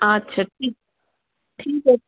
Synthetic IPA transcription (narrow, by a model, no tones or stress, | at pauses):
atːɕʰaʈʰiːk̚ | ʈʰiːka